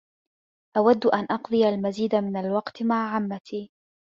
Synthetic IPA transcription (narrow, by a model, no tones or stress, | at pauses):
ʔawad̪ːʔanʔɑqd̪ˤɨjalmaziːd̪amɪnalwɑqt̪maʕʕamːat̪ʰiː